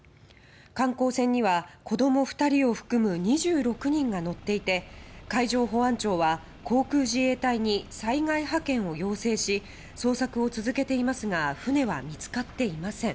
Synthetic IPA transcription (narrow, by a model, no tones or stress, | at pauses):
kãŋko̞ːsẽ̞ɲ̟ːiβako̞d̪o̞mo̞ɸɯ̟̥t̪aɾʲio̞ɸɯ̟̥kɯ̟mɯ̟ɲ̟iʑɨːɾo̞kɯ̟ɲ̟ĩŋɡano̞t̪ːe̞it̪e̞kaiʑo̞ːɦo̞ãɲt͡ɕo̞ːβa | kʰo̞ːkɯ̟ːʑie̞ːt̪aiɲ̟isaiŋaiɦakẽ̞ɰ̃o̞jo̞ːse̞ːɕi | so̞ːsakɯ̟o̞t͡sɨzɨke̞t̪e̞imasɨɡaɸɯ̟ne̞βamʲit͡sɨ̥kat̪ːe̞imasẽ̞ŋ̃